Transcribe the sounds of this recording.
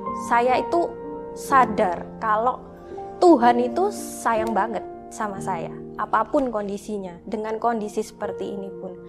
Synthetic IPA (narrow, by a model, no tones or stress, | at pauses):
sajait̪usadarkaloʔ | t̪uɦanit̪usajaŋbaŋət̪̚ | samasaja̰ʔapapʊnkondisiɲadəŋankondisisə̥pərt̪iːnipʊn